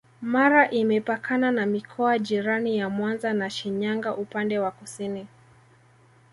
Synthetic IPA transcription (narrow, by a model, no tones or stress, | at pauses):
maɾaʔimɛpakʰananamikʰɔaʄiɾanijamwanzanaʃiɲaŋɡaʔupandɛwakusini